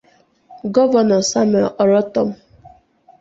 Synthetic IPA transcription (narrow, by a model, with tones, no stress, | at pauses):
ɡɔ˦vɔ˨nɔ˨sa˦m˨ʔɔ˨ɾɔ˦tɔ˦m̩˦